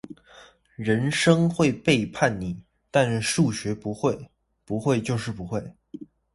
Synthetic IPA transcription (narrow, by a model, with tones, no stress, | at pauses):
ɻə˧˥nʂɤ˥ŋxwe˥˧ɪpe˥˧ɪpʰa˥˩nni˨˩˦ | t̪a˥˧n̩˥˧ʂu˥˩ɕɥɛ˧˥pu˧˥xwe˥˩ɪ | pu˧˥xwe˥˧ɪt͡ɕjo˥˧ʊʂɻ̩˥˩pu˧˥xwe˥˩ɪ